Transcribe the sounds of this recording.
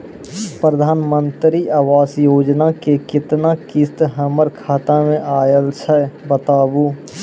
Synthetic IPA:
pɾəd̪ʱaːnmə̃nt̪ɾiʔaːʋaːsjoːd͡ʒnakekɪt̪nakist̪ɦəməɾkʰaːt̪amẽʔaːjəlt͡ʃʰɛbət̪aːbuː

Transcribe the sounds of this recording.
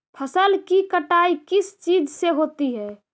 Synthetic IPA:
pʰəsəlkikəʈaikɪst͡ʃid͡ʒʱseɦot̪iɦɛː

